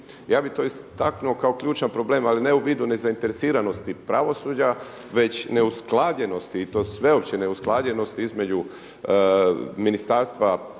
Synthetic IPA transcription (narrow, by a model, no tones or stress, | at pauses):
jaːbit̪o̞ist̪aknuo̞kao̞kʎʲuːt͡ʃanpɾo̞ble̞ːmaline̞uʋiːd̪une̞zaint̪eɾe̞siːɾano̞st̪ipɾaʋo̞suːd͡ʑa | ʋe̞t͡ɕne̞usklˠadʎe̞no̞st̪iːt̪o̞ːsʋe̞o̞pt͡ɕeneusklˠaːdʎeno̞st̪iizme̞d͡ʑu | minist̪aːɾst̪ʋa